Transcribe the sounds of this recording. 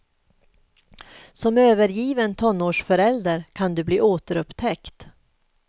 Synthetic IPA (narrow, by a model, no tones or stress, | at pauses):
sɔmøːvəɾjiːvənt̪ʰɔnːoːʂfœɾɛld̪əɾkʰand̪ɵbliːʔoːt̪əɾɵpt̪ʰɛkt̪